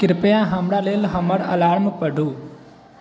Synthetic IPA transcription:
kɪɾpjãɦəmɽaleːlɦəməɾə̰laːɾməpəɖʱũː

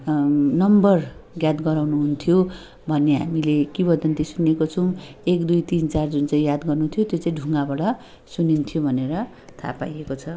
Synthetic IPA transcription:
nʌmbʌrɡjad̪ɡʌɾawnuɦunt̪ʰjo | bʱʌnːeɦa̰milekibʌd̪ʱʌnt̪isunekot͡sʰʌw̃ekd̪ujt̪int͡sard͡zunt͡saĩjad̪ɡʌrnut̪ʰijot̪jot͡saĩɖʱuŋɡabʌɽʌ | sunint̪ʰijobʱʌneɾʌ | t̪ʰa̰pa̰jekot͡sʰʌ

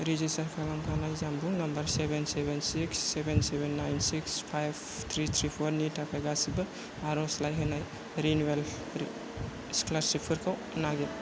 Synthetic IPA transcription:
ɾid͡ʒistaɾkʰalamkʰanajzambuŋnɐmbɐɾsebensebensiksːebensebenːajnsikspʰajb | t̪ʰɾit̪ʰɾipʰɔɾnitʰakʰajɡasibɯ | aɾɔslajɦenaj | ɾinwel | sklaɾsipʰɯɾkʰaw | naɡe

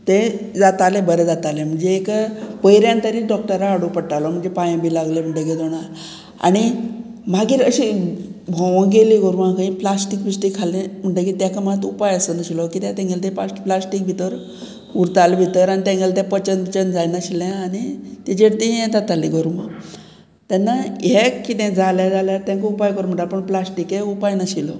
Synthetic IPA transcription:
t̪ed͡zat̪alẽbəɾed͡zat̪alem̤əɳd͡zeːkpəjɾjãnt̪əɾiɖɔk̚ʈəɾaːɽupəɽʈalɔm̤əɳd͡zepãjãbʱiːlaɡlem̤əɳʈəked͡zoɽ̃a | a̰ñi | maɡiːɾəɕibʱɔ̃ʋə̃ɡeliɡoɾmãkaĩplasʈikbiʂʈikʰalẽm̤əɳʈəkiːt̪jakam̤at̪upajəsənəɕilɔkit̪jãt̪ẽŋɡelt̪̬ɛ̃paplasʈik̚bʱit̪əɾ | uɾt̪albʱit̪əɾanit̪ẽŋɡelt̪̬ɛ̃pət͡ɕənbt͡ɕənd͡zajnaɕilãanit̪ɛd͡ʑeɽt̪ĩɦɛ̃t̪at̪aliɡɔɾuma | t̪anːajekːit̪ɛ̃d͡zaljad͡zaljat̪jãkoupajkəɾm̤əɳʈapəɳplasʈikeupajnaɕilɔ

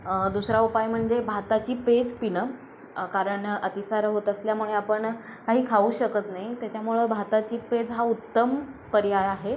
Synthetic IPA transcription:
d̪usɾaupajm̤əɳd͡zebʱat̪at͡ɕiːped͡zpinə | kaɾəɳət̪isaɾɦot̪əsljamuɭeapəɳkaɦiːkʰauːɕəkət̪naɦit̪jat͡ɕjamuɭebʱat̪at͡ɕiːped͡zɦaut̪ːəmpəɾjajaɦe

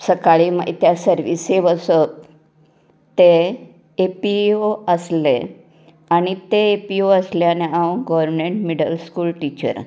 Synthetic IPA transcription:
səkaɭima̰it̪jasəɾʋiseʋəsət̚ | t̪eː | pioəslḛ | añit̪eepioəsljaneãwɡɔʋəɾɾmeɳʈmiɖəlskulʈit͡ɕə̰ɾ

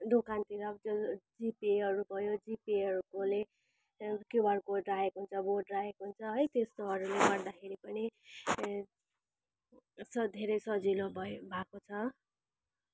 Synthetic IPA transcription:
d̪okant̪iɾʌbd͡zod͡zipieʌɾubʱʌjod͡zipeʌɾukole | kjobʱʌɽkoɖrajekɦunt͡sʰʌboɖrajekɦunt͡sʰʌɦʌjt̪est̪oɦʌɾuleɡʌrd̪akʰeɾipʌɽ̃i | sʌd̪ʱeɾʌjsʌd͡zilobʱʌbʱakot͡sʰʌ

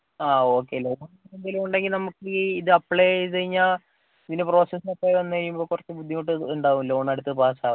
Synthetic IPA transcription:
aːo̞ːkːe̞ːlo̞ːɳɐnːɐnend̪ilumuɳɖeŋɡilnɐmːukːɨiðɨɐpːɭet͡ɕɐjiɲːaː | iðindepro̞ːsesɐpːɐʋɐnːɨkɐikːumboːkurɐt͡ɕːɨbud̪ʱːimoʈ̬ːɨːɳɖaːʋumlo̞ːɳɐɽut̪ːɐðɨpaːsaː

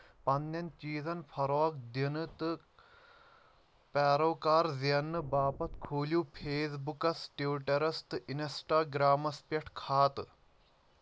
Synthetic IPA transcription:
pɐnːɐnt͡ʃiːzɐnpʰɐɾoːk̚d̪inɨt̪ɨ | pɛːɾɐwkaːɾziɐnːɨbaːpɐt̪kʰuːlʲjuːpʰeːsbukɐsʈjuːʈɐɾɐst̪ɨinsʈaːɡɾaːmɐspʲɐʈʰkʰaːt̪ɨ

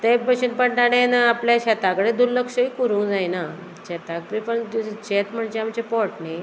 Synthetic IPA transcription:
t̪ebəɕənpəɳʈaɽ̃enaapljaɕɛt̪akəɽed̪uɾləkʂəikuɾũːd͡zajna | t͡ɕɛt̪ak̚ɾipəd͡ʑt͡ɕet̪m̤əɳd͡ʑeamt͡ɕepɔʈne

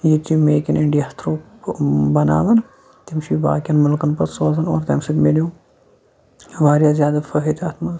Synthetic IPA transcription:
jit̪imeːkʲiniɳɖijɐɐt̪ʰɾoː | bɐna̰ːʋɐn | t̪imʃiba̰ːkʲjɐnmʊlkɐnpɐsoːzɐno̰ːɾt̪ɐmsit̪meloː | ʋaːɾjaːzʲjaːd̪ɐfɐɦit̪ɐt̪ʰmɐn

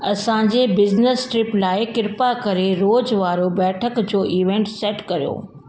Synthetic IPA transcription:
ɐsãd͡ʑeːbɪznəsʈɾɪplaːɪkɪɾpakɐɾeɾoːd͡ʑʋaːɾobɛːʈʰəkd͡ʑoːʔiːʋẽːɳʈsɛːʈkɐɾijo̰ː

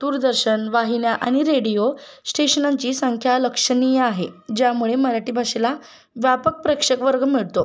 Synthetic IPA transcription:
d̪̥uɾd̪əɾɕənʋaɦinjaʔa̰ɽ̃iɾeɽijo | sʈeɕənaɲt͡ɕiːsəŋkʰjaləkʂəniaɦed͡ʑjamuɭeməɾaʈiːbʱaɕila | ʋjapək̚pɾəkʂəkʋəɾɡmiɭt̪o

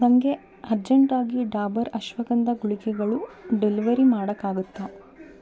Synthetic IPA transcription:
ɐŋɡe̞ | ɐɾd͡ʒɐɳʈaːɡiɖaːbɐɾɐʃʋɐɡɐnd̪ɐɡuɭikɛɡɐɭuɖeliʋɐɾimaːɽɐkːaːɡut̪ːa

